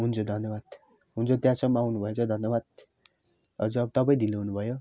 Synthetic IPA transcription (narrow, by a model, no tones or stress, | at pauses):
ɦunt͡sʰod̪ʱʌnjʌbad̪̥ | ɦunt͡sʰot̪jãsʌmːʌawnubʱʌjet͡sʰʌd̪ʱʌnjʌbad̪̚ | ʌd͡zuʌbʌt̪ʌpaĩd̪ileɦunubʱʌjo